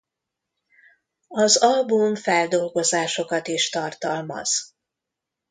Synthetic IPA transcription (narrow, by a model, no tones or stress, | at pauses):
ɒzɒlbuɱfɛld̪o̞lɡo̞zaːʃo̞kɒt̪iʃt̪ɒrt̪ɒlmɒ̰z̥